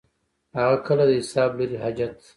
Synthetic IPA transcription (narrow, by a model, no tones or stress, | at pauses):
haɣakʰəlad̪əɦɪsaːbləɾiɦad͡ʒat̪